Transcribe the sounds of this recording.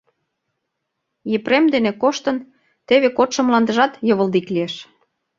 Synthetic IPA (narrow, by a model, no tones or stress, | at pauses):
jepremd̪enekoʃt̪ə̆n | t̪eβekot̪ʃə̆mlɑnd̪ə̆ʒɑt̪jɤ̆βə̆ld̪iklieʃ